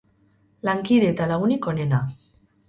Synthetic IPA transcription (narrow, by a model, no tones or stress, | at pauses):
laŋkiðeːt̪alaɣuniko̞ne̞na